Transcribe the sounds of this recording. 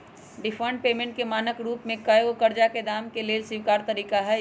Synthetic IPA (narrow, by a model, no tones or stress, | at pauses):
ɖɪfʰəɳʈ̚peːmẽːɳʈ̚kemaːnəkɾuːpmẽkəjokɐɾd͡ʒaked̪aːmkeleːlsɪʋkaːɾt̪ɐɾiːkaɦɛ